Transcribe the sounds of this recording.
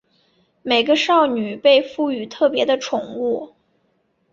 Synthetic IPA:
me˨˩ɪɡə˦ʂɑ˥˩ʊny˨˩pe˥˧ɪfu˥˩y˨˩t̪ʰɤ˥˩pjɛ˧˥d̪ə˧ʈ͡ʂʰʊ˨˩˦ŋu˥˩

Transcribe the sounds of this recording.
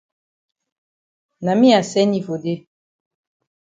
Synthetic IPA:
na˨mi˦a˨sɛ˦ni˦˨vo˨de˦

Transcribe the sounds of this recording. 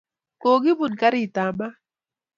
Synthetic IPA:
ko˨ɡi˦bʊ˨nka˦ɾɪ˦˨ta˨ma˦

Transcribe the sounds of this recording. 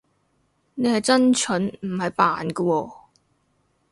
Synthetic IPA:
ne˨˧jhɐ˨jt͡sɐ˥nt͡ʃʰɵ˨˥nm̩˨˩hɐ˨jpa̰ː˨nkə˧wɔː˧

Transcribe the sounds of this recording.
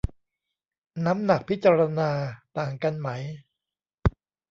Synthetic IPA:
na˦˥mna˨˩k̚pʰi˦˥t̪̚t͡ɕaː˧ɾa˧naː˧t̪aː˨˩ŋka˧nma˦˥j

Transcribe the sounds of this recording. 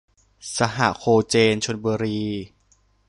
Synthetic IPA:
sa˧ɦa̰˨˩kʰoː˧t͡ɕeː˧nt͡ɕʰo˧nbuː˧ɾiː˧

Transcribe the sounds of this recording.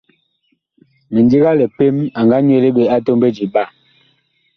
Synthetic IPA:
mɛ˨ndi˦ɣa˦lɛ˨pe˦ma˨ŋɡa˦ɲ˦e˦˨le˦ɓe˨a˦to˦mbe˦d͡ʒi˨ɓa˦˨

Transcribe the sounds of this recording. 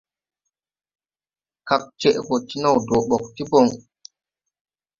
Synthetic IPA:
ka˨k̚t͡ʃɛ˦ʔɡɔ˨ti˦na˦˨wdɔ˨ɓɔ˨k̚ti˦bɔ˨ŋ

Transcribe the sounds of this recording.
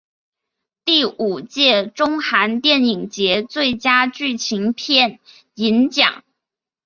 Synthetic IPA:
t̪i˥˩u˨˩t͡ɕjɛ˥˧ʈ͡ʂʊ˥ŋxa˧˥nt̪jɛ˥˩ni˨˩ŋt͡ɕjɛ˧˥t͡swe˥˩ɪt͡ɕja˥t͡ɕy˥˩t͡ɕʰi˧˥ŋpʰjɛ˥˩n | i˧˥nt͡ɕjɑ̰˨˩˦ŋ

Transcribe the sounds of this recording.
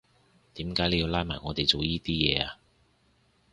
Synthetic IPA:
t̪iː˨˥mkaː˨˥jle˨˧jiː˧wlaː˥jmaː˨˩jŋɔː˨˧t̪e˨jt͡so˨wjiː˥t̪iː˥jɛː˨˧aː˧

